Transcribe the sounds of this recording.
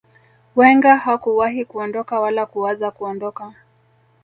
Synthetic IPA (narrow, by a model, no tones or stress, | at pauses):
wɛŋɡahakuwaɦikuɔndɔkawalakuwazakuɔndɔka